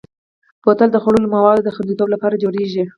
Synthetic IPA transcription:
pot̪əld̪əxaɽoləmawɑd̪od̪əxand̪it̪oblapɑɾad͡ʒoɽeʒi

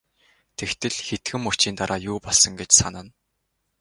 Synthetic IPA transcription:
t̪ʰekt̪ʰɘ̆ɮxet̪ɡɘ̆mʊ̥t͡ɕiːnt̪aɾʔaːjuːpɔɮsɞ̆ŋɡet͡ɕsa̰nə̆n

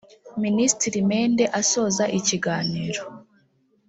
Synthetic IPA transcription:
ministiɾimeːnde̞ʔaso̞ːzaʔiciɡaːniːɾo

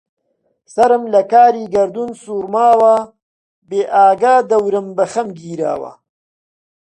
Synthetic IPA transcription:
sɐɾɨmlɐkaːɾiːɡɐɾd̪unsuɾmaːwaː | beːʔaːɡaːd̪ɐwɾɐmbɐxɐmɡiːɾa̰ːwa̰

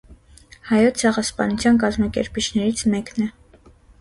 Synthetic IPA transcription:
hɑjɔt͡sʰɛʁɑspɑ̰nut͡sʰjɑnk̬ɑzmɑkɛ̰ɾpit͡ʃʰnɛɾit͡sʰmɛknɛ

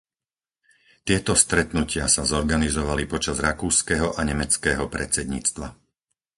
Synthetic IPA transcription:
t̪ɪɛt̪ɔst̪ɾɛt̪nucɪasazɔɾɡanizɔʋalipɔt͡ʃazɾakuːskɛɦɔʔaɲɛmɛt͡skɛːɦɔpɾɛt͡sɛd̪ɲḭːt͡st̪ʋa

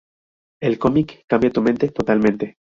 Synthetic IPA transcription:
e̞lko̞mikːambjat̪ume̞nt̪e̞t̪o̞t̪almẽnt̪e̞

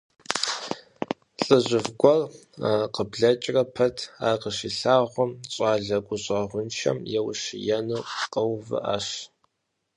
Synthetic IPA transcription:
ɬʼɨʑʷɪvɡʷɔraqəbɮɐt͡ʃʼrɐpʰɐtʰa̰ːqəʃiɬaːʁʷɔmɕʼaːɮɐɡʷʼʊɕʷʼɐʁʷʊnt͡ʃʰɐ̰mjɛwʃɪjɛnuːqəwvɨ̰ʔa̰ːɕ

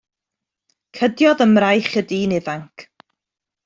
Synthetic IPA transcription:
kʰədjɔðəmrajχədiːnɪvaŋkʰ

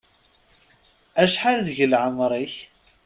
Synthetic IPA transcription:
æʃħalðəʝəlʕəmɾˤiç

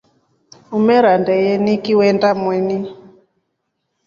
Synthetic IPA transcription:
umɛɾandɛjɛnikiwɛndamwɛni

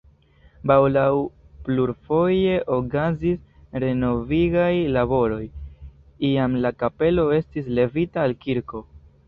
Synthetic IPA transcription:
bawlaw | pluɾfo̞je̞ʔokazisɾe̞no̞viɡajlabo̞ɾo̞j | iamlakape̞lo̞e̞stis̬le̞vitaːlkiɾko̞

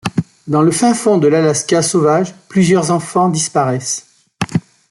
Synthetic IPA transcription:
d̪ɑ̃ləfɛ̃fɔ̃d̪əlalaskasovaʒplyzjœʁzɑ̃fɑ̃d̪ispaʁɛs

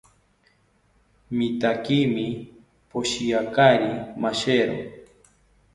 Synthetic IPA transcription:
mit̪akiːmɪ | poʃijakaɾimaʃeɾo̰

